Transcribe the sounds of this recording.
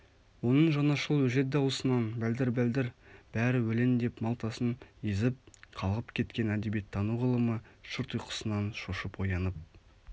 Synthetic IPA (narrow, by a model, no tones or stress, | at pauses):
wo̞nəɴʒɑnɑʃəlˠwɵʒe̞t̪̚d̪ɑwəsənɑnbæld̪ɪɾbæld̪ɪɾb̥æɾɪwɵle̞nd̪e̞pmɑlˠt̪ɑsənizɪp̚qʰɑlˠʁəpkʲʰe̞t̪kʲe̞næd̪ebijet̪ʰːɑnuʁəlˠəməʃəɾt̪ʰʊjqʰə̥sənɑnʃoʃəpo̞jɑnəp̚